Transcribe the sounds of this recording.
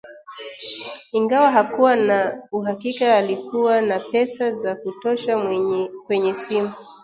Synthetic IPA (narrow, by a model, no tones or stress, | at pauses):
iŋɡawaɦakuwanauɦakikaːlikuwanapɛsazakutɔʃakwɛɲɛsimu